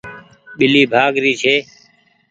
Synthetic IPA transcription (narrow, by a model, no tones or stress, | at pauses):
ɓɪliːbʱaːɡɾiːt͡ʃʰeː